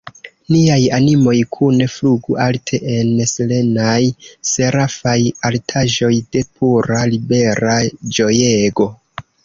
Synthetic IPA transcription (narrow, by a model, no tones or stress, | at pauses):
niajanimo̞jkʰune̞fluɡuʔaltʰe̞ʔensle̞najseɾafajaltʰaʒo̞jde̞pʰuɾalibe̞ɾad͡ʒo̞jeɡo̞